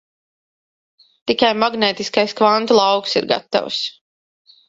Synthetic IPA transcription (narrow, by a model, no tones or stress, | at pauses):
t̪ikajmaɡneːt̪iskajskvant̪ulˠɑwksḭɾɡa̰t̪ːa̰ws